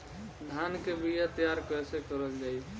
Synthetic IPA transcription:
d̪ʱankebijat̪jaɾkəsekəɾəld͡ʒaj

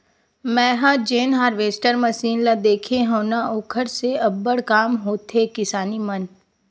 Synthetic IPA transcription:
mɛ̃ːɦãd͡ʒeːnɦaːɾʋeːsʈəɾməsiːnlad̪eːkʰeɦõːnaʊkʰəɾseɐbːəɽkaːmɦoːt̪ɦekɪsaːnimɐn

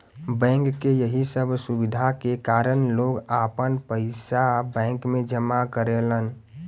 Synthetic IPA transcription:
bɛ̃ŋkːejəɦisəbʱsubid̪ʱakekaːɾənloɡapənpəɪsabɛ̃ːŋkmẽd͡ʒəmakəɾelən

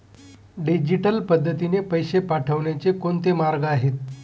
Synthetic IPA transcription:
ɖid͡ʑiʈəlpəd̪ʱːət̪inepəjɕepaʈʰəʋɳjat͡sekoɳt̪emaɾɡəaɦet̪

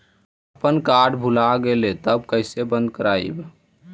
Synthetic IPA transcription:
əpənkaɖbʱulaɡelet̪əbkəɪsebə̃nd̪̚kəɾaḭb

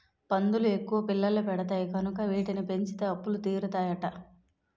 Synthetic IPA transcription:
pɐnd̪ulue̞kːuʋɐpilːɐlːupɛɽɐt̪̬aːjikɐnukɐʋiːʈinipe̞ɲt͡ʃit̪eɐpːulut̪iːɾut̪aːjɐʈɐ

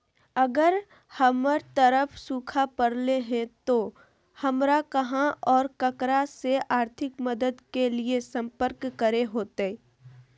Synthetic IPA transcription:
ɐɡəɾ | həməɾt̪əɾəpʰsuːkʰapəɾleɦɛ̃t̪o | hɐmɾakɐɦãʔɔːɾkəkɾaseʔaːɾt̪ʰɪkməd̪əd̪keliesɐ̃mpəɾkːəɾeɦoːt̪e

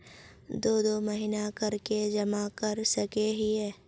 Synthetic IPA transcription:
d̪oːd̪omɐɦinakɐɾked͡ʒɐmakɐɾsɐkeɦiɦɛː

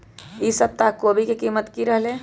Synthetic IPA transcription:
isəb̚t̪akoːbʱikekiːmət̪kiɾəɦle

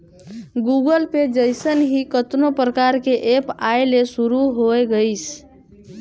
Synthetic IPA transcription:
ɡuɡəlped͡ʒəjsənɦikət̪nopɾəkaɾkeʔepajlesuɾuɦoeɡəɪs

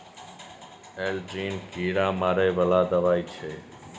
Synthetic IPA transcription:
eːld͡ʒiːnkiːɾãːmaːɾeːʋəlaːd̪əʋaːiːt͡ʃʰeː

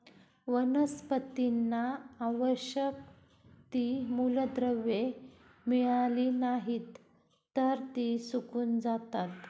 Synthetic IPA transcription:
ʋənəspət̪inːaːʋəɕjək̚ | t̪imuləd̪ɾəʋe | miɭaliːnaɦit̪ː | əɾt̪isukuːnd͡zat̪at̪

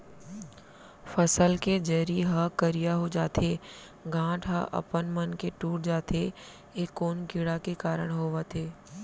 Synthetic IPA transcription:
fəsəlked͡ʒɐːɾiɦəkəɾijaɦod͡ʒaːt̪ʰeː | ɡʱãːʈʰɦaʔɐ̰pənmənkeʈuːʈ̚d͡ʒaːt̪e | eːkːoːnkɪɽakekaːɾəɽ̃ɦoːʋət̪ʰeː

